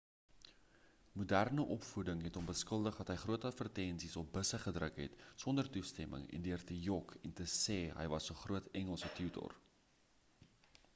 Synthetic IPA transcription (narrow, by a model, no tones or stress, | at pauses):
mudærnəʔɔpfudəŋɦɛtɔmbəskəlˠdəχdɐtɦəjχruətɐtfərtɛnsisɔp̚bəsəχədrəkɦɛ̰tsɔndərtustɛmʔə̰ŋɛ̰ndiərtəjɔkʰɛntəsɛːɦə̰jvɐsəχruətɛŋəlˠsətʰytɔ̰r